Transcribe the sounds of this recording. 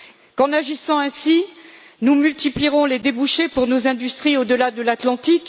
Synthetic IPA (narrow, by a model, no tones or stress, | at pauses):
kɑ̃naʒisɑ̃ɛ̃si | numylt̪ipliʁɔ̃led̪ebuʃepuʁnozɛ̃d̪yst̪χiod̪əlad̪əlat̪lɑ̃t̪ik